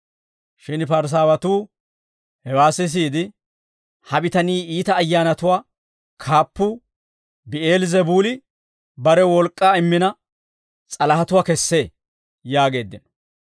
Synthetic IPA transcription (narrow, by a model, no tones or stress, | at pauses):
ʃɪnpɐɾs̬aːwɐt̪uː | hɛwaːsɪs̬iːd̪ɪ | hɐbɪt̪ɐniːiːt̪ɐːjːaːnɐt̪ʊwaː | kʰaːpːu | bɪe̞ːlzɛbuːlɪ | bɐɾɛwɔlkʼːaːɪmːɪnɐ | t͡sʼɐlɐhɐt̪ʊwaːkɛsːe̞ː | jaːɡe̞ːd̪ːɪnɔ